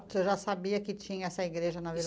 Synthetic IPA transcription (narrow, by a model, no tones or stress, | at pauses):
t̪ewʒasabiɐkɪt͡ʃĩɲɐɛsɐiɡɾeʒɐnɐvil